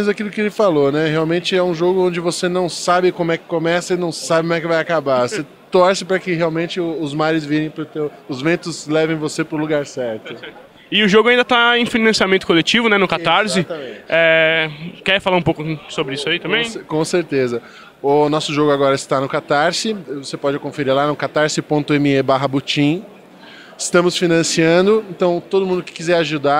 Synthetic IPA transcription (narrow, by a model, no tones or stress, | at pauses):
zakilʊkɪelɪfalonɛheawmẽnt͡ʃɪɛũʒoɡʊõd͡ʒɪvosenɐ̃w̃sabɪkõmʊɛkɪ̥komɛsɐɪnɐ̃w̃sabɪkõm̃ɛkɪvajakabavose | t̪ɔɾsɪpɾɐkɪheawmẽnt͡ʃɪʊːzmaɾɪzviɾẽj̃pɾʊt̪ewʊzvẽnt̪ʊzlɛvẽj̃vosepɾʊluɡaɾsɛɾt̪ʊɛ | ɪʊʒoɡʊaĩnd̪ɐt̪aẽj̃finɐ̃siamẽnt̪ʊ̥kolet͡ʃivʊnɛnʊkat̪aɾsɪ̃ɛ | kɛɾfalaɾũpokʊsobɾɪisʊait̪ɐ̃mbẽj̃kõseɾt̪ezɐ | ʊnɔsʊʒoɡʊaɡɔɾɐɪst̪anʊkat̪aɾsɪvosepɔd͡ʒɪkõfeɾiɾlanʊkat̪aɾsɪpõnt̪ʊẽmɪebaɦɐbut͡ʃĩ | ɪst̪ɐ̃mʊsfinɐ̃siɐ̃nd̪ʊẽt̪ɐ̃w̃t̪od̪ʊmũnd̪ʊkɪ̥kizɛɾaʒud̪a